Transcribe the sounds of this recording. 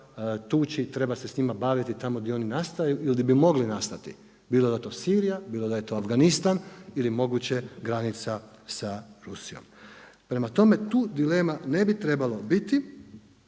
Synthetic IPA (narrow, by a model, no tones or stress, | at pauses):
t̪uːt͡ɕit̪ɾe̞base̞sɲimabaʋit̪it̪amod̪io̞ninast̪ajuʔild̪ibimo̞ɡlinast̪at̪ḭ | biːlˠod̪ajet̪osiːɾijabiːlod̪aje̞t̪oːafɡanist̪anilimo̞ɡut͡ɕeɡɾanit̪sa | saɾusijo̞̰m | pɾe̞mat̪o̞me̞t̪uːd̪ileːmane̞bit̪ɾe̞balo̞bit̪i